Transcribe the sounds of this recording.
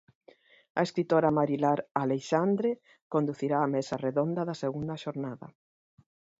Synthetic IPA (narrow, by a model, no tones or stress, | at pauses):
ɐeskɾit̪oɾamaɾilaɾaleʃand̪ɾe | kond̪uθiɾaːmesareðond̪ɐðaseɣund̪ɐʃoɾnaðɐ̰